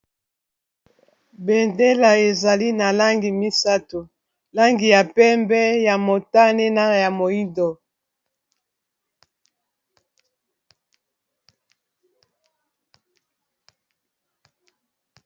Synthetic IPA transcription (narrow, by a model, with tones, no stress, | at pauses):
bɛ˨nde˦la˨e˨za˨li˦na˨la˦ŋɡi˨mi˦sa˦to˨ | la˦ŋɡi˨ja˨pɛ˦mbɛ˦ja˨mo˨ta˦ne˦na˦˨ja˨mo˨i˦ndo˨